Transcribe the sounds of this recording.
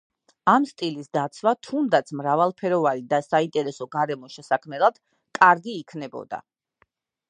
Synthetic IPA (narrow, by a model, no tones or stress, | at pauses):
amst̪ʼilisd̪at̪sʰvat̪ʰund̪at̪sʰmɾavalˠpʰɛɾɔvanid̪asaint̪ʼɛɾɛsɔɡaɾɛmɔʃɛsakʰmɛlˠad̪̥ | kʼaɾɡiːkʰnɛbɔ̰d̪a̰